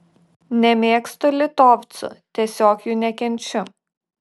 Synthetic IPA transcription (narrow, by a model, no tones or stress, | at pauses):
nʲɛmʲeːkst̪olʲɪt̪oːʋʲt̪sʊ̰t̪ʲiɛsʲoːkjuːnʲɛkʲɛnʲt͡ʃʲʊ